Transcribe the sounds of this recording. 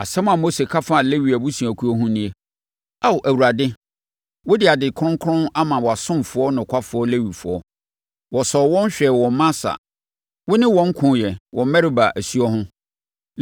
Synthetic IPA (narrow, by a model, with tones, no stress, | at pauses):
a˨sɛ̃˦m˦ã˨mo˦se˨kʰa˦fa˦a˨le˦ɥi˨æ˨bu˦si˨æ˨kʰu˨˦ɔ˦ɦʊ̃˦nĩ˦e˦ | a˦wʔæ˨wu˨ɾa˨dɪ˦ | wʊ˦dɪ˨a˨dɪ˨kʰɾʊ̃˦ŋ˦kʰɾʊ̃˦na˦mã˨wɔ˨a˨sʊ̃˦m˨fʊ˨˦ɔ˦nʊ̃˨kʰʷa˦fʊ˨ɔ˦le˦ɥi˨fʊ˨ɔ˦ | wɔ˨sɔ˨wɔ̃˦n˦ɕᶣɛ˨wɔ̃˨˦mã˦sa̰˨ | wʊ˦nɪ̃˦wɔ̃˨ŋ̩˦kʰʊ̃˨˦jɛ˨wʔɔ̃˨m˦mɛ˦ɾɪ˦ba˨ʔæ˨si˦ɔ˦ɦʊ̃˦